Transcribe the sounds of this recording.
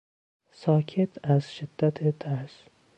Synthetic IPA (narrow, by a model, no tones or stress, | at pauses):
sɒːkʲʰet̪ʰæzʃɪd̪̥ːat̪ʰet̪ʰæɾʃ